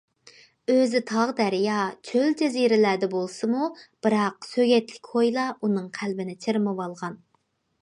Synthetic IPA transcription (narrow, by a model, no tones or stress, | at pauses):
øzɪt̪ʰɑʁd̪æɾjɑt͡ʃʰøld͡ʒɛziɾɪlæd̪ɛbolˠsɨmub̥ɨɾɑqsøɡʲɛt̪lɪkʲhojlˠɑʔunɨŋqʰælbɪnɪt͡ʃʰeɾmɨwɑlˠʁɑn